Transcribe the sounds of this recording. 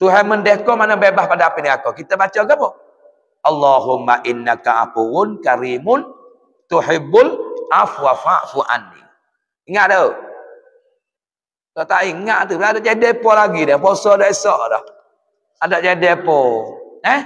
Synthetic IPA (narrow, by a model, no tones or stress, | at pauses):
t̪uɦɛməndɛhkɔmanobebahpadaapiniŋakɔkit̪əbat͡ʃɔɡaʔpɔ | ʔɑlːaɦʊmːaʔɪnːakaa̰puwʊnkaɾiːmʊn | t̪uħɪbːʊlʔafuafaʔfuʔa̰nːḭ | iŋaʔdɔ | dot̪aʔiŋaʔt̪uadaʔd͡ʒadɛpɔlaɡidɔhpɔsɔdɔʔisɔʔdɔ̰h | adɔʔd͡ʒadɛpɔɛ